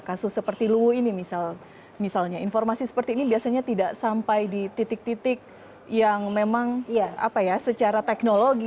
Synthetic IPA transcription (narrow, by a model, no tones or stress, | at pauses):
kasʊsːəpərt̪iluwuinimisal | misalɲainformasisə̥pərt̪iːnibiasaɲat̪idaʔsampajdit̪it̪ɪk̚t̪it̪ɪk̚ | jaŋmemaŋa̰pajasət͡ʃaɾat̪ɛknoloɡi